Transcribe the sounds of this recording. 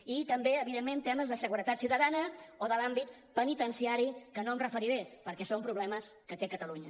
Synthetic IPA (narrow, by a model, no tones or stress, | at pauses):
it̪əmbeəβiðemːent̪ɛməzðəsəɣuɾət̪at̪siwt̪əðanəoðəlambit̪ | pənit̪ənsiaɾikənoəmrəfəɾiɾepəɾkɛsompɾuβlɛməskət̪ekət̪əluɲə